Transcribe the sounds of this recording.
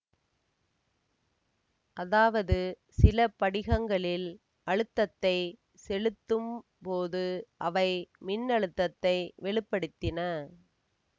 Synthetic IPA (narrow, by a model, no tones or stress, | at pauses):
ʔɐðaːʋɐðɯ | sɪlɐpɐɽɪɣɐŋɡɐɭɪl | ʔɐɻɯt̪ːɐt̪ːɐɪ | sɛlɯt̪ːɯm | poːðɯʔɐʋɐɪmɪnːɐɻɯt̪ːɐt̪ːɐɪʋɛɭɪpːɐɽɯt̪ːɪnɐ